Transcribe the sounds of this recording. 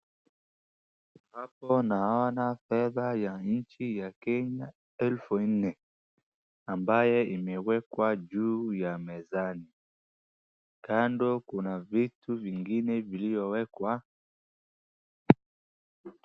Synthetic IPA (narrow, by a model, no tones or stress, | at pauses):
hapɔnaɔnafɛðajaɲ̩t͡ʃijakɛɲa | ɛlfun̩nɛ | ambajɛimɛwɛkwaʄuːjamɛzani | kandɔkunavituviŋɡinɛvilivɔwɛkwa